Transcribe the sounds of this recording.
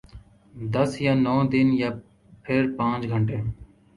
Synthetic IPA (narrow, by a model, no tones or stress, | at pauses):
d̪əsjaːnɔːd̪ɪnjaː | pʰɪɾpãːt͡ʃɡʱəɳʈeː